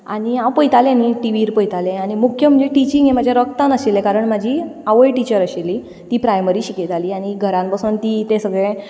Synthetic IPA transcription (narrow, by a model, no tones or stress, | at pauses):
aɽ̃iãwpəjt̪alẽaniʈiʋiɾpəjt̪alẽañimukʰjəm̤əd͡ʑeʈit͡ɕiŋɡẽmad͡ʑʱjaɾɔkt̪ãnəɕilẽkaɾəɳmad͡ʑʱiːaʋəjʈit͡ɕəɾəɕilːi | t̪ipɾajməɾiːɕikit̪aliːaɽ̃iɡʱəɾãmpasuːnt̪it̪ẽsəɡɭẽ